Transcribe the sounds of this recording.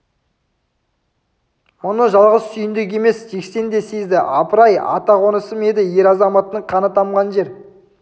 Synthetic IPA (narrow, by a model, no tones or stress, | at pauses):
mʊnəʒɑlˠʁəzsʏjɪnd̪ek̬ʲe̞me̞sʒe̞kse̞nd̪e̞sezd̪ɪʔɑpəɾɑjɑ̰t̪ɑʁo̞nəsəme̞d̪ɪje̞ɾɑzɑmɑt̪ːəɴqʰɑnət̪ɑmʁɑnʒe̞ɾ